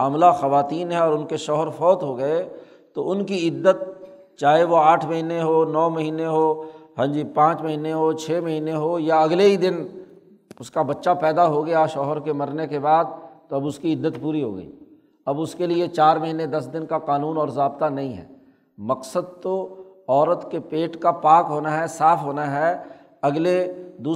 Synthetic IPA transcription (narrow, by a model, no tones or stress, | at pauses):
aːmlaxɐʋaːt̪iːnɦɛɔːɾʊnkeʃɔːɦəɾfɔːt̪ɦoɡɐe | t̪oʔʊnkiɪd̪ːət̪̚ | t͡ʃaːɦeʋoaːʈʰmɐɦiːneɦonɔːmɐɦiːneɦoɦɐ̃nd͡ʒipãːt͡ʃmɐɦiːneɦot͡ʃʰɛːmɐɦiːneɦojaɐɡleid̪ɪn | ʊskabɐtːʃapɛːd̪aɦoɡɐjaʃɔːɦəɾkemɐɾnekebaːd̪̚t̪oɐbʊskiɪd̪ːət̪puːɾiɦo̰ːɡə̰ḭː | ɐbʊskeliet͡ʃaːɾmɐɦiːnẽd̪ɐsd̪ɪnkaqaːnuːnɔːɾzaːbt̪anɐɦĩɦɛ̰ː | mɐqsəd̪̚t̪oɔːɾət̪kepeːʈkapaːkɦoːnaɦɛsaːfɦoːnaɦɛ | ɐɡled̪uː